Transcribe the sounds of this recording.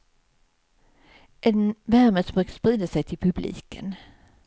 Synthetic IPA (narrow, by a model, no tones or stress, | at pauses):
ʔɛnvæɾməsbøːkə̥spɾiːd̪asɛjt̪ʰɪlpʰɵblḭːkə̰n